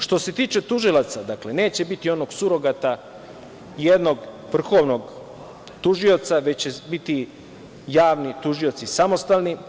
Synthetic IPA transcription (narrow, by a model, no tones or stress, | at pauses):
ʃt̪o̞se̞t̪iːt͡ʃe̞t̪uʒilˠat̪sad̪akle̞ne̞ːt͡ɕe̞bit̪io̞no̞ɡsuɾo̞ɡat̪a | jed̪no̞ɡ | ʋr̩xo̞ʋno̞ɡ | t̪uʒio̞t̪saʋe̞t͡ɕt͡ɕebit̪i | jaːʋnit̪uʒio̞t̪sisamo̞st̪alni